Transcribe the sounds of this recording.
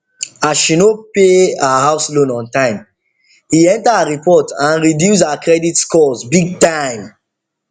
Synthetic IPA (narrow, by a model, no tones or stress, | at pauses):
aʃinopeahaʊslõnɔ̃ntãɪ̃m | hiɛ̃ntaaɹipɔtãnɹidjus̬akɹɛditskɔzbiɡ̚tãɪ̃m